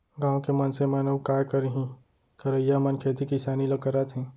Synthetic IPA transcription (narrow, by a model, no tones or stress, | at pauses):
ɡãːõkemɐnsemanəwkaːkəɾɦĩ | kəɾəjamɐnkʰeːt̪ikisaːnilokɐɾat̪ʰɦɛ̃ː